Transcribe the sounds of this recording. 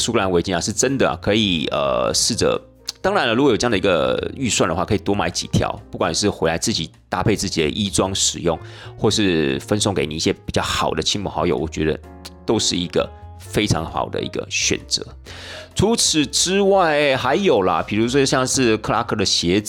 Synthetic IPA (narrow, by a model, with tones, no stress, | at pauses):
su˥˧la˧˦nwe˧˥ɪt͡ɕi˥na˨˩ʂɻ̩˥˩ʈ͡ʂə˦˥nd̪ə˨a̰˨˩kʰɤ˧˥i˨˩ə̰˨˩ʂɻ̩˥˩ʈ͡ʂə̰˨˩ | t̪ɑ˥ŋɻa˧˦nlə˧˩u˧˥o˨˧jjŋd̪i˧˦ɡə˧y˥˧swa˥˩nd̪ə˩xwa˥˩kʰɤ˧˥i˨˩t̪wɔ˥ma˧˥ɪt͡ɕḭ˨˩t̪ʰjɑ̰˧˥ʊpu˥˩kwa˨˩nʂɻ̩˥˩xwe˧˥ɪla˧˥ɪt͡sɹ̩˥˩t͡ɕi˨˩t̪a˥˧pʰe˥˧ɪt͡sɹ̩˥˩t͡ɕi˨˩d̪ə̰˩ʔi˥ʈ͡ʂwɑ˥ŋʂɻ̩˨˩jʊ˥˩˨ŋxwɔ˥˧ʂɻ̩˥˩fə˦nsʊ˥ŋke˧˥ɪni˨˩i˥˩ɕjɛ˦˥p̚i˨˩t͡ɕjɑ˥˩xɑ˨˩ʊd̪ə˦t͡ɕʰi˥ŋmu˨˩xɑ˧˥ʊjo˨˩ʊwɔ̰˨˩t͡ɕɥɛ˧˥d̪ə̰˧ | t̪o˥ʊʂɻ̩˥˩i˧˥ɡə̰˧ | fe˥ɪʈ͡ʂʰɑ˧˥ŋxɑ̰˨˩ʊd̪ə̰˦ḭ˧˥ɡə̰˧ɕɥɛ̰˨˩nt͡sɤ̰˧˦ | t͡sʰu˧˥t͡sʰɹ̩˨˩ʈ͡ʂɻ̩˥wa˥˩ɪxa˧˦ɪjo˨˩ʊlə̰˨pʰi˨˩ɻu˧˥ʂwɔ˥ɕjɑ˥˧ŋʂɻ̩˥˩kʰɤ˥˧la˧˥kʰɤ˥˩d̪ə˨ɕjɛ˧˥